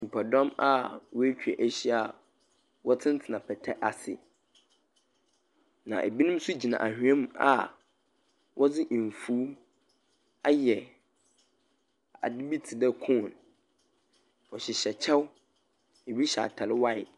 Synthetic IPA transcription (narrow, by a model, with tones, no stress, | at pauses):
m̩˨pʰa˨dɔ̃˦ma̰˦wɔ˦æ˦t͡ɕᶣɥɛ˨ʔæ˦ɕi˦a˨ | wɔ˦tʰɪ̃˦n̩˦tʰɪ˨nã˨pʰɛ˨tʰɛ˦ʔa˨sɪ̰˨ | nã̰˨ʔe˨bi˦nũ˦m˦sʊ˦d͡ʑi˨nã̰˨ʔa˨hᶣɛ̃˦ma̰˨ | wʔɔ˦d͡zɪ˦ʔɱ˨fuː˦ | a˦jɛ˨ | a̰˨dɪ˦bi˦tʰi˨dɛ˦kʰʊ̃˦˨n | ɔ˨ɕɪ˨ɕɛ˨t͡ɕʰɛ˦w | e˨bi˦ɕa̰˨tʰa˨lɪ˦wa˦ɪ˨